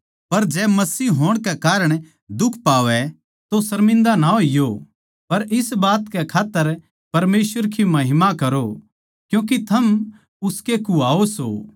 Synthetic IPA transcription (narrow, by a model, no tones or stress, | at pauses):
pɐɾd͡ʒɛmɐsiːɦoːɽ̃kɛkaːɾəɽ̃ | d̪ʊkʰpaːʋɛ | t̪osɐɾmɪ̃nd̪anaɦoɪjo | pɐɾʔɪsbaːt̪kɛkʰaːt̪ːəɾ | pɐɾmeːsʋəɾkʰimɐɦɪmakɐɾo | kjũːk̬it̪ʰɐm | ʊskekuaːoso̰